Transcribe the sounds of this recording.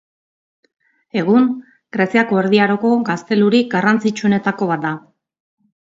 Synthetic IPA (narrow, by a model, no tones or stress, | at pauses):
e̞ɣ̞uŋ | ɡ̥ɾesiako̞eɾðiaɾo̞ko̞ɡast̪e̞luɾiɡarant͡sit͡ʃue̞ne̞t̪ako̞βat̪̚d̪a